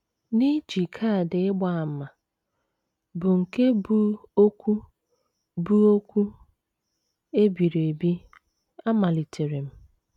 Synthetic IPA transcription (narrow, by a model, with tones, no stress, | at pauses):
ni˦d͡ʒi˨kʰa˦˨dɪ˨ɪ˦ɡ͡ba˦a˨˦ma˨ | bʊ˨ŋ̩˨ke˦bu˦o˦kʷu˦ | bu˦o˦kʷu˦ | e˦bi˨ɾe˨bi˦ | a˦ma˨li˨tʰe˨ɾe˨m̩˦